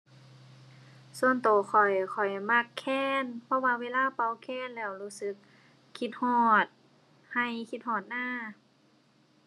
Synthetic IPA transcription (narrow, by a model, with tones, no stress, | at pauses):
su˧ənt̪oː˨˩xʰɔ˨˩jkʰɔ˨˩jma˧˥˩kʰːɛː˧˥˩npʰɔ˧waː˧weː˧˨laː˧˥˨pa˧˨wkʰɛː˧˥˩nlɛː˧˩˨wluː˧˩sɯ˧˦k̚ʰː | i˧t̪̚hɔː˧˩t̪̚ | ha˧˩jkʰi˧t̪̚hɔː˧˩t̪̚naː˧˥˩